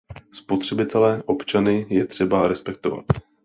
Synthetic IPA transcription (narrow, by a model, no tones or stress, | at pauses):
spo̞t̪r̝̥ɛbɪt̪ʰɛlɛːʔo̞pt͡ʃanɪjɛt̪r̝̥ɛbaɾɛspɛk̚t̪o̞va̰t̪